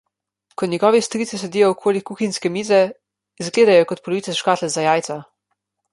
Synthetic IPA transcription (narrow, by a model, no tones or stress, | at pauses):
kɔnʲɛɡɔːʋist̪ɾit̪sisɛd̪ijɔɔkʰoːlikuːxinʲskɛmiːzɛ | izɡleːd̪ajɔkɔt̪̚pɔlɔʋiːsɛʃkaːt̪lɛzajaːjt̪sa